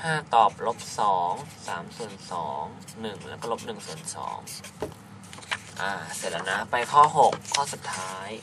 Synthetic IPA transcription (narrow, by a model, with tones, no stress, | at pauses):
haː˥˩t̪ɔː˨˩p̚lo˦˥p̚sɔː˩˦ŋsaː˩˦msu˨˩ənsɔː˩˦ŋ | nɯ˨˩ŋlɛ˦˥kɔː˥˩lo˦˥p̚nɯ˨˩ŋsu˨˩ənsɔ̰ː˩˦ŋ | ʔaː˧˩se˨˩t̪̚ːa˧˥na˦˧˥pa˧jkʰɔː˥˩ɦo˨˩kʰːɔː˥˩su˨˩t̪ʰːaː˦˥j